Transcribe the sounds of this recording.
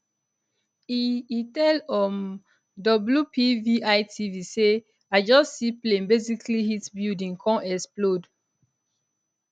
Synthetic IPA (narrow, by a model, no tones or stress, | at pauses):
iitɛlɔm | dɔbljupiviʔaɪtʰivise | aɪd͡ʒɔssiplẽnbeziklihitbildĩŋkʰɔ̃ɛsplod